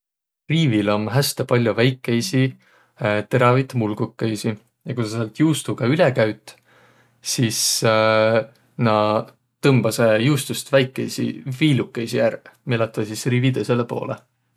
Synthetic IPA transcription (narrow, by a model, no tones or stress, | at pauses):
riːvilo̞mɦæst̪epɑlʲjuvæjkːe̞jsi | t̪e̞ɾɑvit̪mulɡukːejsi | jɑkuseselt̪juːst̪ukɑylekæɥt̪ːˑ | sis | nɑ | t̪ɤmb̥ɑse̞juːst̪ust̪væjkːˑejsḭviːlukːˑe̞jsijærmelɑt̪ːˑvɑsisriːvid̪eselepo̞̰ːlḛ